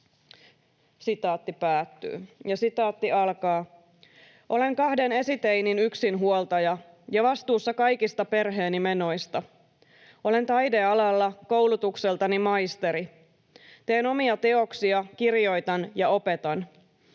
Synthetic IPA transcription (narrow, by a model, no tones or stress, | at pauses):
sit̪ɑːt̪ːipæːt̪ːy̰ːjɑsit̪ɑːt̪ːiɑlkɑː | ʔo̞le̞ŋkɑhde̞ne̞sit̪ejninyksinɦuolt̪ɑjɑ | jɑʋɑst̪uːsːɑkɑjkist̪ɑpe̞rɦe̞ːnimeno̞jst̪ɑ | o̞le̞nt̪ɑjde̞ɑlɑlːɑko̞wlut̪ukselt̪ɑnimɑjst̪e̞ɾi | t̪e̞ːno̞miɑt̪e̞o̞ksiɑkirjo̞jt̪ɑnjɑo̞pe̞t̪ɑn